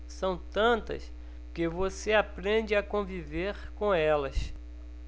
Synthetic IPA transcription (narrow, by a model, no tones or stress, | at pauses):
sɐ̃w̃t̪ɐ̃nt̪ɐ̰s | kɪvoseapɾẽd͡ʒɪakõviveɾkõɛlɐs